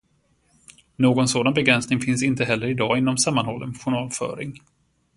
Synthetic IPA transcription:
noːɡɔnsoːd̪anbɛɡɾɛnsnɪŋfɪnsɪnt̪əɦɛlːəɾɪd̪ɑːɪnːɔmsamːanhɔlːənɧʊɳɑːlfœ̰ːɾɪ̰ŋ

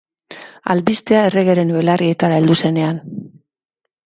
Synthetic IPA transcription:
a̰lbist̪e̞ae̞re̞ɣe̞ɾe̞nuelarie̞t̪aɾae̞ld̪use̞ne̞an

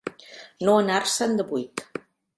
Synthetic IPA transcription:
noənarsənd̪əβujt̪

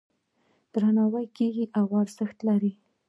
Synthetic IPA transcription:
d̪̥ɾanɑwajkeɡiʔawaɾzəxt̪laɾi

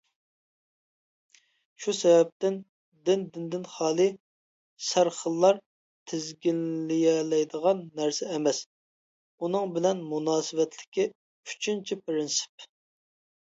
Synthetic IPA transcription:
ʃusɛvɛp̚t̪ɪn | d̪ɪnd̪ɪnd̪ɪnχɑːlˠɨ | sæɾχəlˠːɑɾ | t̪ʰɪzɡʲinːɪjɛlɛjd̪əʁɑnːæɾsɛːmɛs | unɨŋbɪlɛnmunɑːsɨvɛt̪ʰlɪ̥kʲʰi | y̥t͡ʃʰynt͡ʃʰipɾɪnsɪ̥p̚

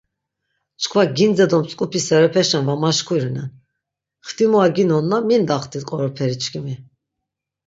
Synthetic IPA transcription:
t͡ʃʰkʰvaɡind͡zɛd̪ɔmt͡sʼkʼupʰisɛɾɛpʰɛʃɛnvamaʃkʰuɾinɛn | χt̪ʰimɔaɡinɔnːamind̪aχt̪ʰʼit̪kʼɔɾɔpʰɛɾit͡ʃʰkʰimi

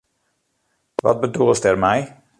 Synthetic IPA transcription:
ʋɑ̰t̚bədulˠstɛrmɛj

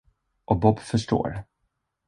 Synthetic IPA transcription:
ʔɔk̚bɔbfœʂʈo̰ːɾ

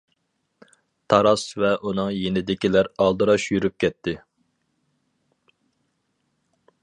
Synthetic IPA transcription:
t̪ʰɑɾɑsvɛʔunɨŋjenɪd̪ɪkʲilæɾɑlˠd̪ɨɾɑʃjyɾyp̚kʲʰɛt̪ʰːɪ

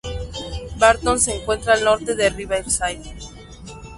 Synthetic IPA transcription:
baɾt̪onseːŋkwe̞nt̪ɾaːlno̞ɾt̪e̞ðeriβaelsajð

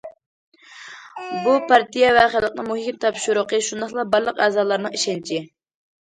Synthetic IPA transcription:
bupʰɑɾt̪ijɛvɛχɪlˠəq̚nɨŋmuɦkʲɪmt̪ʰɑpʃuɾʊqəʃund̪ɑχlˠɑbɑɾlˠəqæːzɑːlˠɑɾnɨŋiʃɛnt͡ʃʰi

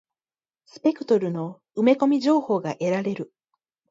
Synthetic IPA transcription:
sɨ̥pe̞kɯ̟t̪o̞ɾɯ̟no̞ | ɯme̞ko̞mʲiʑo̞ːho̞ːɡaʔe̞ɾaɾe̞ɾɯ̟

